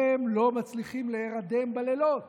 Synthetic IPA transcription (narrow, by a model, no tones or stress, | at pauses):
emlo̞mat͡sliχimleːʁad̪e̞mbalelot